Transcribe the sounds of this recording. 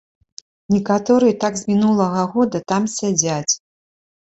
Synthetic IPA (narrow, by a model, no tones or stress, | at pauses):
nʲɛkat̪ɔɾɨjɛt̪aɡzʲmʲinulˠɐɣɐɣɔd̪ɐt̪amsʲad͡zʲat͡sʲ